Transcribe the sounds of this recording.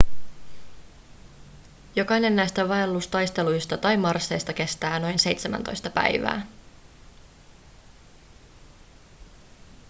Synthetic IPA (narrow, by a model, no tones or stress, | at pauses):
jo̞kɑjne̞nːæjst̪æʋɑelːust̪ɑjst̪e̞lujst̪ɑt̪ɑjmɑrsːe̞jst̪ɑk̟e̞st̪æːno̞jnse̞jt̪semæ̰nt̪o̞̰jst̪ɑpæ̰jʋæ̰ː